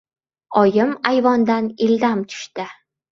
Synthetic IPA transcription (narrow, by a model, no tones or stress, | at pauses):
ɒjɪmajvɒnd̪anɪld̪amt̪ʰʊ̥ʃt̪ɪ